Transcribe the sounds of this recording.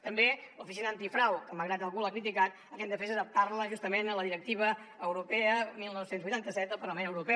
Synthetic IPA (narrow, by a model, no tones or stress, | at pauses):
t̪əmbelufisinəːnt̪ifɾawkəməɣɾat̪əlˠɣulakɾit̪̬ikat̪̚ | əkɛnd̪əfɛzəðəp̚t̪arləʒust̪əmenələðiɾək̚t̪iβə | əwɾupɛəmilˠnɔwsenzβujt̪ant̪əsɛt̪əlˠpəɾləmenəwɾupɛ